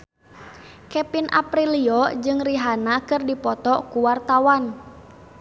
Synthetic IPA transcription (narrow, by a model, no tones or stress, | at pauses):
kɛpinʔa̰pɾiliɔd͡ʒɨŋriɦanakɨrdipɔt̪ɔkuwart̪awan